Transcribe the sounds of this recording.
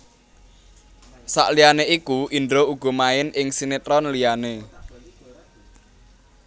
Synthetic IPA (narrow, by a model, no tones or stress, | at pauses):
sa̰ʔlijaneikuʔindɾouɡ̥ɔ̤maɪnʔɪŋsinet̪ɾɔnlijane